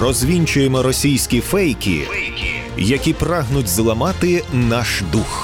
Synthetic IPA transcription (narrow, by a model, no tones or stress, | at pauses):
rɔzʲʋʲinʲt͡ʃʊjemɔɾɔsʲijsʲkʲifɛjkʲḭ | jɐkʲipɾɑɦnʊtʲzlˠɐmɑt̪ɪnɑʃd̪ux